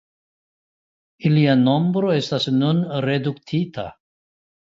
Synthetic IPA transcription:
iliano̞mbɾo̞e̞stasnunɾe̞duktʰitʰa̰

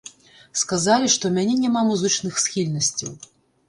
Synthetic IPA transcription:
skazalʲiʂt̪ɔmʲanʲɛnʲamamuzɨt͡ʂnɨxsxʲilʲnɐsʲt͡sʲiw

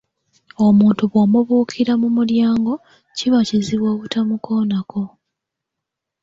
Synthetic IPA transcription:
o̞muːntuβwomuβuːkʰiɾamumuljaːŋɡo̞ | ciβaciziβwoːβutamuko̞ːnako̞

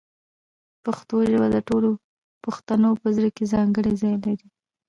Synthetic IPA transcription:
paxt̪oʒəbad̪əʈolo | pəxt̪anopəzɾəkezɑŋɡəɽezɑjelaɾi

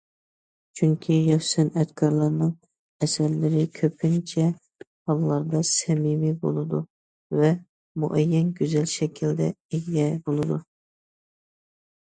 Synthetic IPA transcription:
t͡ʃʰyŋkʲʰijɑfsɛnɛt̪kʰɑɾlˠɑɾnɨŋ | ɛsɛɾlɪɾɪkʲʰøpʰnt͡ʃʰɛ | hɑlˠːɑɾd̪ɑsɛmimibo̰lˠɨd̪u | vɛ | mṵʔɛjːɛnɡʲøzɛlʃɛkʲʰild̪ɛ̰eɡʲɡʲɛbolˠɨd̪u

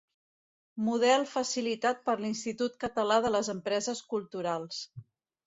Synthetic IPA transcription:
muðɛlˠfəsilit̪at̪̚pəɾlinst̪it̪ut̪̚kət̪əlaðələzəmpɾɛzəskulˠt̪uɾalˠs

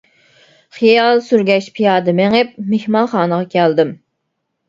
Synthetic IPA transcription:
χijɑlˠsyɾɡʲɛʃpʰijɑːd̪ɨmɛŋɛp̚mehmɑnχɑːnəʁɑkʲʰɛld̪ɪm

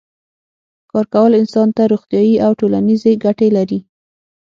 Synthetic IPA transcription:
kɑɾkawəlɪnsɑnt̪aɾoxt̪jɑjiawʈolanizeɡaʈelaɾi

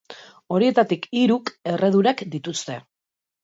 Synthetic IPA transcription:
o̞ɾie̞t̪at̪ikiɾuke̞re̞ðuɾakd̪it̪ust̪e̞

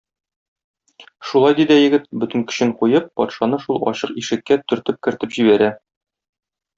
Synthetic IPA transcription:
ʃulˠɑjd̪id̪æjɘ̆ɡɘt̪bɵ̆t̪ɘ̆ŋkɵ̥̆ɕɘŋqujɤp̚ːɒ̰t̪ʃɑnɤʃulˠɒ̰ɕɤqiʃɘ̆kːæt̪ɵ̆ɾt̪ɘp̚kɘ̆ɾt̪ɘpʑibæɾæ

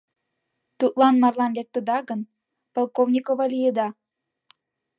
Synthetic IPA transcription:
t̪ut̪lɑnmɑrlɑnlek̚t̪ə̆d̪ɑɣən | polkovnʲikovɑlijəd̪ɑ

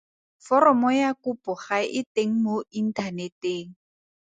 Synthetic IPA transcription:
fɔrɔmɔjakupʊχaʔɪteŋ̩moin̩tʰaneteːŋ̩

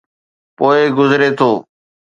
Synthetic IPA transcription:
poːɪɡʊzɾeːt̪ʰoː

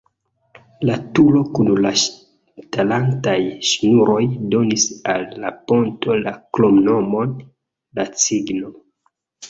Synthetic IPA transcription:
latulo̞kunlaʃ | talantajʃnuɾo̞jdo̞nisalːapo̞nto̞laklomno̞mo̞n | lat͡siɡno̞

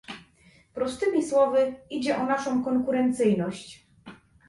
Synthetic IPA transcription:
pɾɔst̪ɘmʲiswɔvɘid͡ʑɛʔɔnaʂɔ̃w̃kɔŋkuɾɛnt̪sɘjnɔɕt͡ɕ

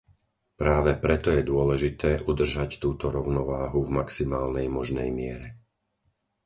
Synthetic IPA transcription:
pɾaːʋɛpɾɛt̪ɔjɛd̪ʊɔlɛʒit̪ɛːʔud̪r̩ʒact̪uːt̪ɔɾɔʊnɔʋaːɦuvmaksimaːlnɛjmɔʒnɛ̰jmɪɛɾɛ

